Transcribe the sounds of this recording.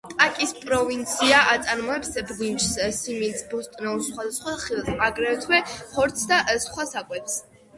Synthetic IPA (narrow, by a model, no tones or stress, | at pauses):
t̪ʼakʼispʼɾɔvint̪sʰiaʔat̪sʼaɾmɔɛpsɛblimʃssimint̪sbɔst̪ʼnɛusχwad̪asχwaχilˠsaɡɾɛt̪ʰwɛχɔɾt̪sʰd̪aʔsχwasakʼwɛt̪ʰs